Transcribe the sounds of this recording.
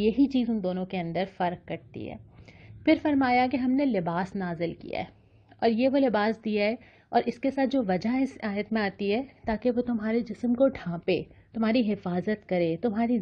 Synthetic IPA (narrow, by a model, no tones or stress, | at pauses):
jɐɦit͡ʃiːzʊnd̪oːnõkeɐ̃nd̪əɾfɐɾkːɐɾt̪ḭɦɛ̰ːfɪɾfɐɾmaːjak̬eɦɐmnelɪbaːsnaːzɪlkḭja̰ɦɛː | ɔːɾjeʋolɪbaːsd̪ijaɦɛ | ɔːɾʔɪskesaːt̪̚d͡ʒoːʋɐd͡ʒaɦɪsaːjət̪mẽaːt̪iɦɛt̪aːkeʋot̪ʊmɦaːɾed͡ʒɪsmkoʈʰãːpeːt̪ʊmɦaːɾiɦɪfaːzət̪kɐɾet̪ʊmɦaːɾi